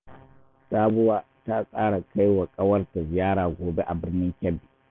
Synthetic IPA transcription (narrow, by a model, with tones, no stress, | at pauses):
saː˦bʊ˦waː˦ | ta˦kʼaː˦ɽa˨kʰa˦jwa˨kʼɐ˦wɐ˦rta˨zɪ˨jaː˦ɽaː˨ɡʷoː˨be˦ʔa˨bɪ˦rnɪ˦ŋkʲɐ˦bːiː˨